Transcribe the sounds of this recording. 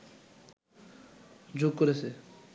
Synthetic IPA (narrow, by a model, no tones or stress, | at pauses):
d͡ʑoɡ̚koɾet͡ɕʰe